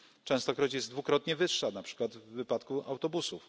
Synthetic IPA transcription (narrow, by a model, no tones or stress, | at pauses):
t͡ʂɛ̃w̃st̪ɔkɾɔt͡ɕjɛzd̪vukɾɔt̪ɲɛvɘʂːanapʂɘ̥kwad̪vːɘpat̪kuʔa̰wt̪ɔbusuf